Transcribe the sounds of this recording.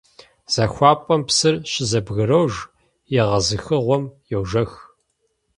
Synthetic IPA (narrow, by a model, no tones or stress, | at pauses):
z̥ɐxʷɑːpʼɐmpsɨrɕɪzɐbɣɨrɐwʒ | jɛʁɐzɨxɨʁʷɔmjɛwʒɐx